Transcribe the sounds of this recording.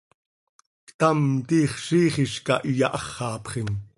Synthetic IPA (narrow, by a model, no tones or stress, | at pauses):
kt̪ɑmt̪iːχʃiːχiʃkɑʔijɑʔɑχːɑːpχin